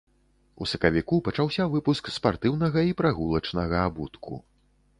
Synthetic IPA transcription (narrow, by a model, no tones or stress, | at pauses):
usɐkɐvʲikupɐt͡ʂawsʲavɨpuskspart̪ɨwnɐɣɐipɾaɣulˠɐt͡ʂnɐɣɐabut̪kʰṵ